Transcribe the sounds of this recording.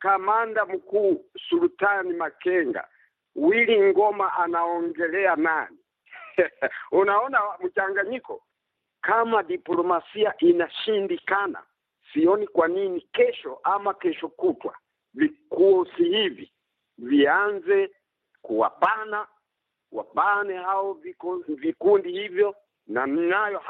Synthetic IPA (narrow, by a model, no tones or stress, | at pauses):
kamandam̩kuːsulutanimakɛŋɡa̰ | wiliŋɡɔmaʔanaɔŋɡɛlɛanani | unaɔnam̩t͡ʃaŋɡaɲikɔ | kamadiplɔmasiaʔinaʃindikana̰ | siɔnikwaninikɛʃɔʔamakɛʃɔkutwa̰ | vikuɔsihivi | vianzɛ | kuwa̰pana | wa̰panɛhaɔvivikundihivjɔ | naniŋajɔ